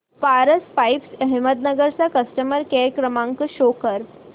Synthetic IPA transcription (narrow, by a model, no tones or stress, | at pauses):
paɾəspajpsəɦimət̪̚nəɡəɾt͡sakəsʈəməɾkɛkɾəmãŋkɕokəɾ